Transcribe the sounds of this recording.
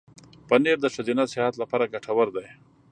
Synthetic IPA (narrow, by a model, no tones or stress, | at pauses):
pəneɾd̪əʂad̪inasɪhat̪lapaɾaɡaʈʰawaɾd̪aj